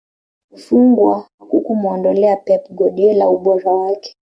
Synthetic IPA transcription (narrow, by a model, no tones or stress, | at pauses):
fuŋɡwahakukumɔndɔlɛapɛpɡɔɗiɛlauɓɔɾawakɛ̥